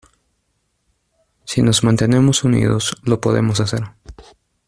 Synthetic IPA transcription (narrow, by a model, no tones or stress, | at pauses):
sino̞zmãnt̪e̞ne̞mo̞sunḭð̞oslo̞po̞̰ðe̞̰mo̞sase̞ɾ